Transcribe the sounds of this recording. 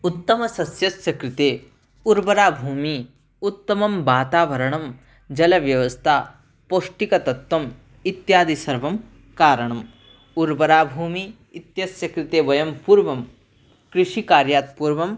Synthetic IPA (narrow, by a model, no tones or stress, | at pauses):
ut̪ːɐmɐsɐsjɐsjɐkɾɪt̪eː | uɾbɐɾaːbʱuːmi | ut̪ːɐmɐmʋaːt̪aːʋɐɾɐɳɐm | d͡ʒɐlɐʋjɐʋɐst̪ʰaː | poʂʈikɐt̪ɐt̪wɐm | it̪jaːd̪isɐɾʋɐm | kaːɾɐɳ̃ɐm | uɾbɐɾaːbʱuːmi | it̪jɐsjɐkɾɪt̪eːʋɐjɐmpuːɾʋɐm | kɾɪʂikaːɾjaːt̪̚puːɾʋɐm